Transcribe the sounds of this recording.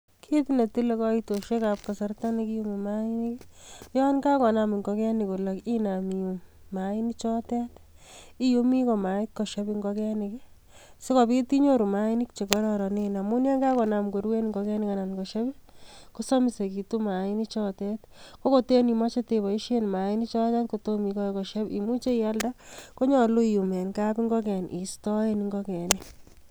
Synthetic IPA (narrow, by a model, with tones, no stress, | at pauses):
kʰeti˦na˨ti˦le˦kɔ˦ito˨ʃe˦kap̚ka˨sa˦rta˦nikiju˦mimai˦ni˦kjɔ˦nka˦kɔ˨na˨mi˨ŋɡɔ˧kɛ˦ni˨ko˨la˨ki˦na˨mi˨u˨mː | ai˦ni˦t͡ʃɔ˦tɛ˦ti˦ju˦mi˦kɔ˨ma˨ɪ˦t̚kɔ˨ʃa˦bi˧ŋɡɔkɛ˦ni˨ki | se˦kɔ˨bi˦ti˦ɲo˦ɾu˨ma˦i˦ni˦kt͡ʃe˨kɔ˦ɾɔ˦ɾɔ˨nɪ˦na˨mu˦nja˦ŋɡa˦kɔ˨na˨mko˨ɾwe˦nŋɡɔ˧kɛ˦ni˦ka˨na˨nkɔ˨ʃa˦bi˦ko˦sɔ˦mi˨se˨ki˨tu˦ma˨ɪ˦ni˦t͡ʃɔ˦tɛ˦t | ko˦ko˦te˦ni˨ma˦t͡ʃe˦te˨bɔ˨i˦ʃe˦nma˨i˦ni˦t͡ʃɔ˦ta˦tko˨to˦mi˨kɔ˦kɔ˨ʃa˦bḭ˨mu˦t͡ʃe˦i˦ja˦lda˦ko˦ɲɔ˨lo˦iju˨mɛ˨nka˦pi˦ŋɡɔ˦kɛ˨nʔi˨stɔ˦e˦niŋɡɔkɛ˨ni˦